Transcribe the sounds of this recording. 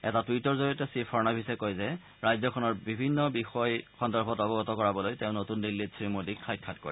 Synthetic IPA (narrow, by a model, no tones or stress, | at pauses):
ɛ̰tatwitɔɹzoɹiɔtɛsipʰɔɹnabʱisɛkojzɛ | ɹajzɔkʰɔnɔɹbibʱinːɔbixɔjxɔndɔɹbʰɔtɔbɔɡɔtɔkɔɹabɔlojteʊ̃notundilːitsɹimodikʰːajt̚kʰat̚kɔ̰ɹɛ